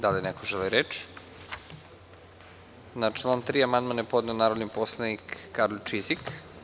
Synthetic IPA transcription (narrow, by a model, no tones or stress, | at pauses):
d̪alinɛkoʒɛliɾet͡ʃ | nat͡ʃlˠaːnt̪ɾiamand̪manepod̪neonaːɾod̪niposlˠenikːaɾlot͡ʃizik